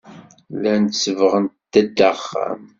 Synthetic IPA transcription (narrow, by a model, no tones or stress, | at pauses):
lænt̪səvəʁənt̪ːæd̪ːaχːæ̰m